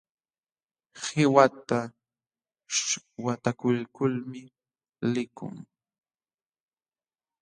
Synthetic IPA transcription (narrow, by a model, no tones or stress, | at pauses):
hɪwat̪a | wat̪akʊlkʊlmɪ | lɪkʊ̰ŋ